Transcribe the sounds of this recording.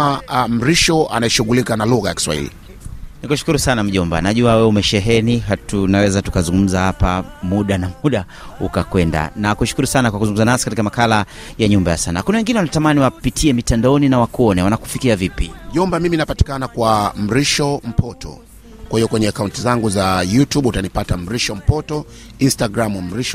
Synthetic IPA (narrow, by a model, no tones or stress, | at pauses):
m̩ɾiʃɔa̰naɛʃuɣulikanaluɣajaki̥swa̰ḭlḭ | nikuʃu̥kuɾusanam̩ʄɔmba̰naʄuawɛumɛʃɛɦɛniɦatunawɛzatukazuŋɡum̩zahapamuɗanamuɗa | ukakwɛnda̰nakuʃu̥kuɾusanakwak̬uzuŋɡum̩zanasi̥katikamakala | jaɲumbaja̰sanakunawɛŋɡinɛwanatamaniwapitʰiɛmitandaɔninawakuɔnɛwanaku̥fikiavipim̩ʄɔmbamiminapati̥kanakwam̩ɾiʃɔm̩pʰɔtɔ̰ | kwahiɔkwɛɲɛakauntizaŋɡuzajutuɓutanipatam̩ɾiʃɔm̩pɔtɔ | instaɡɾamum̩ɾiʃɔ